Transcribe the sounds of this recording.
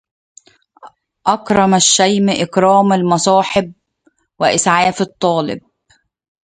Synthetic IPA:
ʔɑkɾˤɑmæʃːæjmʔɪkɾˤɑːmalmɑsˤɑːħɪb̚ | wɪʔɪsʕaːfɨt̪ˤːɑːlɪ̰b̚

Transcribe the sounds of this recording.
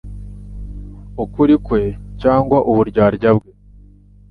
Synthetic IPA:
ukuɾikwe̞caːŋɡwaʔuβuɾɟaːɾɟabɡe̞

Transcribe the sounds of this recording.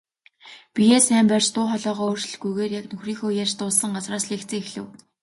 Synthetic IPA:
pʲijeːsæːmpært͡ɕt̪ʊːχɔɮɔːʁɔːoːrt͡ɕ̆ɮɡujɣeːrjaknɵxriːŋxoːjat͡ɕt̪ʊːsə̆ɴɢat͡sraːsɮeːkt͡sɘ̆ːixɮɘ̆w

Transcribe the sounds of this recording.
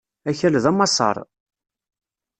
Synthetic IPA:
æçælðæmɑsˤɑ̰ɾˤ

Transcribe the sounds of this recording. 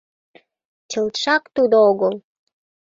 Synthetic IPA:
t͡ɕəlt̪ʃɑkt̪ud̪ooɣəl

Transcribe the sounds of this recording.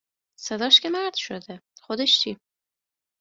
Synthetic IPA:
sed̪ɒːʃkʲʰemæɾd̪̥ʃod̪exod̪eʃt͡ʃʰiː

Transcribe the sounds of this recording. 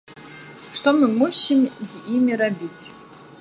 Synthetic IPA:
ʂt̪omɨmuɕimzʲimʲirabʲit͡sʲʰ

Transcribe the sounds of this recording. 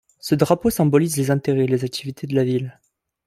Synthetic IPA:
səd̪ʁaposɛ̃bɔlizlezɛ̃t̪eʁɛlezak̚t̪ʰivit̪ʰed̪əlavil

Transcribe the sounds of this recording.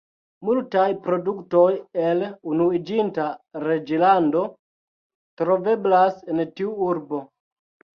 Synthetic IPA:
multajpɾo̞dukto̞jelunuid͡ʒintaɾe̞d͡ʒilando̞ | tɾo̞ve̞blasentiuuɾbo̞

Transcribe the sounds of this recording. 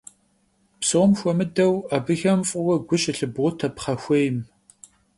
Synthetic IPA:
psɨʊmxʷɔmɨdɐwabɨxɐmfʼʊwɐɡʷʊɕʼɪɬɨbʁʷʊtʰɐpχɐxʷejm

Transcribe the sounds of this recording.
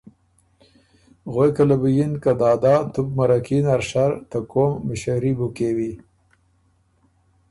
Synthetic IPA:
ɣojkalabujinkad̪ɑːd̪ɑːt̪ub̚maɾakinaɾʂaɾt̪akomːɪʃaɾibukewi

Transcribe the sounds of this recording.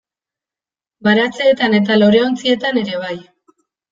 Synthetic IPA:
baɾat͡seːt̪ane̞t̪̬alo̞ɾe̞o̞nt͡sie̞t̪ane̞ɾe̞β̞aj

